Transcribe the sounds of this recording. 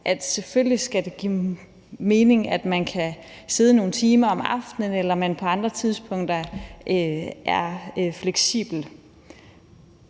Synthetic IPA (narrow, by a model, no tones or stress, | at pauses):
ʔæd̥sefølisɡ̥æd̥e̝ɡ̥ḭ | me̝ːne̝ŋæd̥mænkʰæ | se̝ːð̞ˠəno̝ːn̩t͡sʰiːmɐɒ̽mɑ̈fd̥nənelɐmænpʰɒ̽ɑ̈nd̥ʁɐt͡sʰið̞ˠsb̥ʰɔ̽ŋ̰d̥ɐʔøʔæɐfleɡ̥sḭːb̥l̩